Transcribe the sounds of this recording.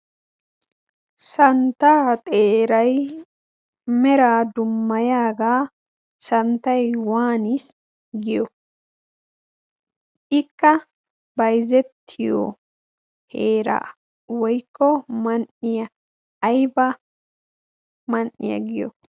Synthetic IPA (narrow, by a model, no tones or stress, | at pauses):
sɐnt̪ːaːt̪ʼeːɾɐj | mɛɾaːd̪ʊmːɐjaːɡaː | sɐnt̪ɐjwaːnɪs | ɡɪjɔ | ʔɪkːɐ | bɐjzɛt̪ʰːɪjɔ̰ | heːɾa̰ | wɔjkːɔmɐnːɪjɐː | jbɐ | mɐnːɪ̰jɐ̰ɡɪjɔ̰